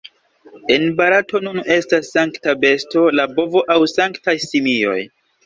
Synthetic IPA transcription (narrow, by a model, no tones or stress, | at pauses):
e̞nbaɾatʰo̞nune̞stasːaŋktabe̞sto̞labo̞vo̞ʔawsaŋktajsimio̞̰j